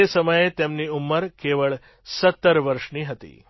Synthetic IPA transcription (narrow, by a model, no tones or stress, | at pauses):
esəməjet̪emniumːəɾkeʋəɭ | sət̪ːəɾʋəɾʃniɦət̪ḭ